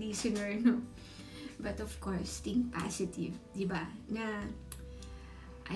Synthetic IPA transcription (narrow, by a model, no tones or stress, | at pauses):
disənɔɹno | batɔfkɔɹst̪ĩŋpa̰sitivdibana | ʔa